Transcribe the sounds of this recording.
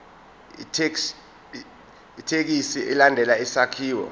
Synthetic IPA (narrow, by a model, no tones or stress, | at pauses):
itʰe | itʰek̬isiʔɛlandʱɛlaisakʰiːwɔ̰